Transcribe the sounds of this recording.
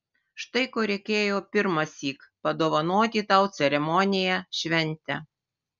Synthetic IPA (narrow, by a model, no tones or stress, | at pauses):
ʃt̪ɐɪkoːɾʲɛɪkʲeːjoːpʲɪɾmɐsʲiːkpɐd̪oːʋɐnoːt̪ʲit̪ɐˑʊt̪sʲɛɾʲɛmɔnʲɪjæʃʲʋʲɛnʲˑt̪ʲɛ